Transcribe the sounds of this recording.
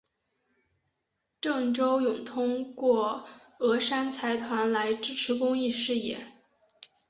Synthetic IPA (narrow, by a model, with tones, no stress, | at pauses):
ʈ͡ʂɤ˥˩ŋʈ͡ʂo˥ʊjʊ˨˩ŋt̪ʰʊ˥ŋkwɔ˥˩ | ɤ˧˥ʂa˥nt͡sʰa˧˥ɪt̪ʰwa˧˥nla˧˥ɪʈ͡ʂɻ̩˥ʈ͡ʂʰɻ̩˧˥kʊ˥ŋi˥˧ʂɻ̩˥˧jɛ̰˥˩˦